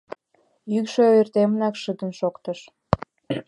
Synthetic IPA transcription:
jykʃøirt̪emənɑkʃət̪ənʃokt̪əʃ

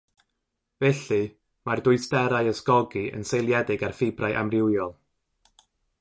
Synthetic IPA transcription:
vɛɬɨ | mardʊɨsdɛɾaɨəsɡɔɡiə̰nsejlˠjɛdɪɡarfɪbrajʔa̰mrɪwjɔlˠ

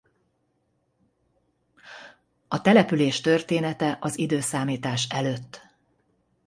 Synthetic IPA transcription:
ɒt̪ɛlɛpyleːʃt̪ø̞rt̪eːnɛt̪ɛʔɒzid̪øːsaːmiːt̪aːʃɛløːt̪ː

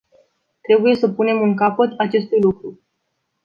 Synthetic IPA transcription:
t̪ɾe̞buje̞səpune̞muŋkapət̪at͡ʃe̞st̪ujlukɾu

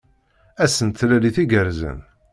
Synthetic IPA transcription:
æsənt̪læliθiɡəɾzə̰n

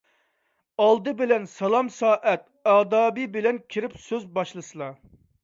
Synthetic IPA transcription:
ɑlˠd̪ɨbɪlɛnsɑlˠɑmsɑːʔɛt̪̚ɑːd̪ɑːbibɪlɛnkʲʰiɾɪpsøzbɑʃlˠɨsɨlˠɑ

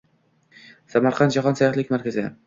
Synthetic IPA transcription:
samaɾqʰɑnt̪d͡ʒaɦɒnsajɒt̪lɪkʲmaɾkʲazɪ

